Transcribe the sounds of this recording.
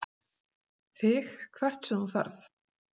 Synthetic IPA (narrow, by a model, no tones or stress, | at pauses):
θɪxkʰvɛr̥t̪sʏnuθa̰ɾθ